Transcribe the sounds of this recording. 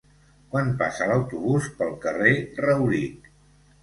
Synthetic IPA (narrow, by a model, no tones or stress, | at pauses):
kwanpa̰sələwt̪uβuspəlˠkərerəwɾik